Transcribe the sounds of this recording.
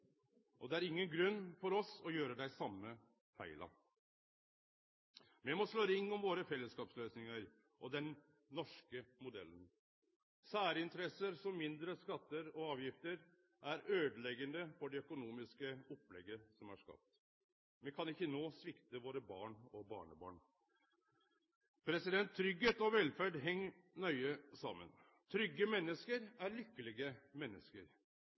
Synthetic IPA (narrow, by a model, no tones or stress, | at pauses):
ʔɔd̪ɛæɾɪŋːənɡɾʉnːfɔɾɔsɔjøːɾəd̪æɪsɑmːə | fæ̰ɪlʔɑ̰ | mɛmɔʂɭoːɾɪŋːɔmʋoːɾəfɛlːəskɑːpsløːsnɪŋəɾ | ʔɔd̪ɛn | nɔʂkəmʊd̪ɛ̰lːən | sæːɾəɪnt̪əɾɛsəɾsɔmːɪnd̪ɾəskɑt̪ːəɾɔɑːʋjɪft̪əɾ | ʔæɾøːd̪əlɛɡənd̪əfɔɖɛœkʊnuːmɪskəɔplɛ̰ɡəsɔmæ̰ʂkɑ̰p̚t̪ | ʋɛkʰɑnɪçːənoːsʋɪkt̪əʋoːɾəbɑ̰ːɳɔbɑ̰ːɳəbɑ̰ːɳ | pʰɾɛsɪd̪ɛnt̪ʰːɾʏɡheːt̪ɔʋɛlfæɖɦɛŋːnœʏəsɑmːə̰n | t̪ʰɾʏɡːəmɛnːəskəɾæɾɭʏkːəlɪɡəmɛnːə̰skəɾ